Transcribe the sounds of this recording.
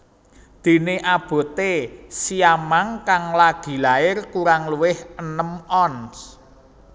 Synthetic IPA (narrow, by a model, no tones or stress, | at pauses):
d̪̥i̤neʔab̥o̤t̪esiamaŋkaŋlaɡ̥i̤laɪrkuɾaŋluwɪhənəmɔns